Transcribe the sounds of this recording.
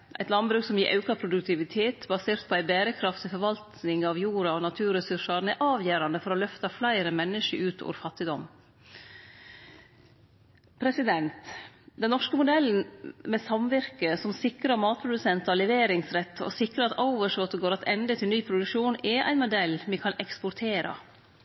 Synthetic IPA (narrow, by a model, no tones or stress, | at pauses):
ʔæ̰ɪt̪lɑnbɾʉːksɔmjiːɾʔɑʉkɑpʰɾʊd̪ʉkt̪ʰɪʋɪt̪ʰeːt̪bɑseːɾt̪̚pʰɔæɪbæːɾəkʰɾɑft̪ɪfɔɾʋɑlt̪nɪŋɑʋjuːɾɑɔnɑt̪ʰʉːɾəsʉʂɑɾn̩ɛʔɑːʋjøːɾɑnd̪əfɔɾɔlœft̪ɑflæɪɾəmɛnːəʂəʔʉːt̪ʰɔ̰ːɾfɑt̪ːɪd̪ɔm | pʰɾɛsɪd̪ɛnt̪d̪ɛnnːɔʂkəmʊd̪ɛln̩mɛsɑmʋɪɾkəsɔmsɪkɾəɾmɑːt̪̚pʰɾʊd̪ʉsɛnt̪ɑlɛʋeːɾɪŋsɾɛt̪ːɔ̰sɪkɾəɑt̪ɔʊʋəʂɔt̪ɡoːɾɑt̪ɛnd̪ət̪ʰɪlnyːpʰɾʊd̪ʉkʂuːnɛʔæ̰ɪnmʊd̪ɛlːmɪkʰɑnʔɛkspʊɾt̪ʰeːɾʔɑ̰